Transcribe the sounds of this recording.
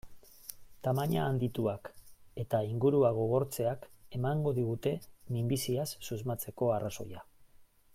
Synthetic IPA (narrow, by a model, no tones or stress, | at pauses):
t̪amaɲaːnd̪it̪uake̞t̪aiŋɡuɾuaɣ̞o̞ɣ̞o̞ɾt͡se̞ake̞maŋɡo̞ðiɣ̞ut̪e̞mimbisiasːuzmat͡se̞ko̞araso̞̰ja